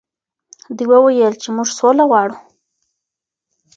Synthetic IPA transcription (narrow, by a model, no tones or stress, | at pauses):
d̪ujwəwajəlt͡ʃemuʐsolaɣwɑɽu